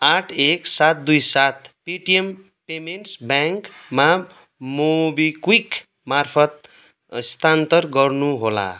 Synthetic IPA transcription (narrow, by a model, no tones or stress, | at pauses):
aʈʰeksat̪̚d̪ujsat̪piʈiem | pemenʈsbjaŋkma | mobikwik | marpʰʌt̪̚ | st̪ʰant̪ʌrɡʌrnuɦola̰